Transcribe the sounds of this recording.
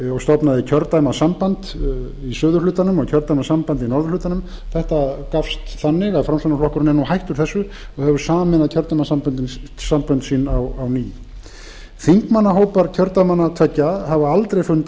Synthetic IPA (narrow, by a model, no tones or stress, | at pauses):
ɔɣst̪ɔpnaðɪcʰœɾt̪ajmasampant̪ | isœːðʏlʏːt̪anʏmɔɣcʰœɾt̪ajmasampant̪inɔɾðʏɾlʏːt̪anʏm | θɛht̪akafst̪θanːɪɣaðfɾamsanaflɔhkʏɾʏnɛnːuhajht̪ʏɾ̥θɛsːʏ | ɔɣhɛvʏɾ̥saːmɛnaðcʰœɾt̪ajmasampʏnt̪ɪnsampʏnt̪siːnawawniː | θiŋkmanːaɦoːwpaɾcʰœɾt̪ajmanːat̪ʰvɛcːahavʏalt̪ɾejfʏnt̪